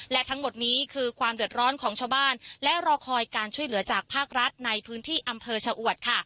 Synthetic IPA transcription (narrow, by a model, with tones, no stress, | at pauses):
lɛ˦˥t̪ʰa˦˥ŋmo˨˩t̪̚niː˦˥kʰɯː˧kʰwaː˧mdɯ˨˩ə˩t̪̚ɾɔː˦˥nkʰɔː˩˦ŋt͡ɕʰaː˧wbaː˥˩nlɛ˦˥ɾɔː˧kʰɔː˧jkaː˧nt͡ɕʰu˥˩əjlɯ˩˦ɐt͡ɕaː˨˩k̚pʰaː˥˩k̚ɾa˦˥t̪̚na˧jpʰɯː˦˥nt̪ʰiː˥˩ʔa˧mpʰɤː˧t͡ɕʰa˧wʔu˨˩ət̪̚kʰa˥˩